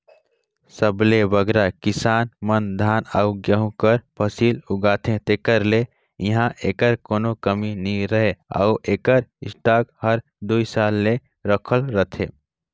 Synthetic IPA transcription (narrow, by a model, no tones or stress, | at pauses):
səblebəɡɾakɪsaːnmənd̪ʱaːnaʊɡjəɦũkəɾpʰəsiːlʊɡaːt̪ʰẽt̪eːkəɾle | iɦãʔeːkəɾkoːnokəminiɾəɦea̰uʔeːkəɾɪsʈaːkhəɾ | d̪uisaːlːe | ɾəkʰəlɾət̪ʰḛ̃